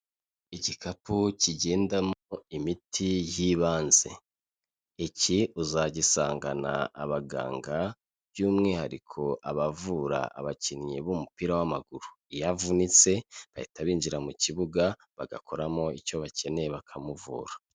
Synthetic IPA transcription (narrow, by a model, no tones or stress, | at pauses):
icikʰapuciɟe̞ːndamoimitʰijiːβaːnze̞ː | ciuzaɟisaːŋɡana̰ːβaɡa̰ːŋɡa | bjuːmŋehaɾikʰo̞ʔaβavuɾa̰a̰βacinɲeβumupiːɾawamaɡuɾu | ijavunit͡se̞βahitaβiːnd͡ʒiɾamuciβuɡa | βaɡa̰kʰo̞ɾamo̞ico̞βace̞ne̞jeβakʰamuvṵːɾa